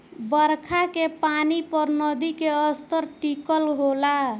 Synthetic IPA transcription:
bəɾkʰakepanipəɾnʌd̪ikeəst̪əɾʈikəlɦola

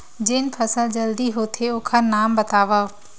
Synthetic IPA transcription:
d͡ʑeːnɪ̆fʰɐsəld͡ʑɐld̪iɦoːt̪ʰeʊ̃ːkʰanaːmbɐt̪aːʋaː

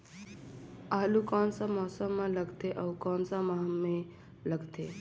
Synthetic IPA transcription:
aːlukɔːnsamɔːsəmːãləɡt̪eʔawkɔːnsamaɦẽ | ləɡt̪ʰe

